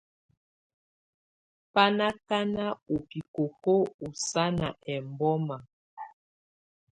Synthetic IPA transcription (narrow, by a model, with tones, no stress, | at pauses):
pa˦na˦ka˦na˦o˨pi˨ko˨ko˦u˨sa˦na˨ʔɛ˨mbɔ˦ma˨